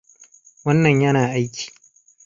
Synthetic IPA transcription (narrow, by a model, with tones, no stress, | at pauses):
wɐ˦nːɐ˨ɲjɐ˦naː˨ʔa˦jkʲi̥ː˨